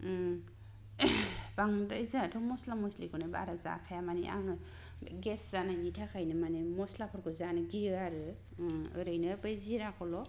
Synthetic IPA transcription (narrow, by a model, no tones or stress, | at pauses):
baŋɾajzatʰɔmɔslamɔslikɯnɯba̰ɾaza̰kʰajamanḭʔa̰ŋɯ | ɡesz̥ananitʰakʰajnɯmanimɔslapʰɔɾkɯzanɯɡiɯaɾɯ | ɯɾɯjnɯpɯjziɾakʰɔlɔ